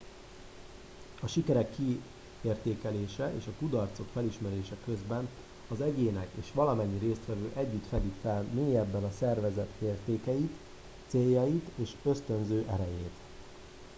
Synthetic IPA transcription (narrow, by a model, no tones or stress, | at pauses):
ɒʃikɛɾɛkʰːi | eːrt̪eːkɛleːʃɛʔḛːʃɒkud̪ɒrt̪so̞kfɛliʃmɛɾeːʃɛkø̞zbɛn | ɒzɛɟeːnɛkḛːʃʋɒlɒmɛɲːiɾeːst̪ʋɛvøːʔɛɟːyt̪fɛd̪ikfɛlmeːjɛbːɛnɒsɛrvɛzɛt̪eːrt̪eːkɛjit̪ | seːjːɒjit̪eːʃø̞st̪ø̞nzøːʔɛɾɛjeːt̪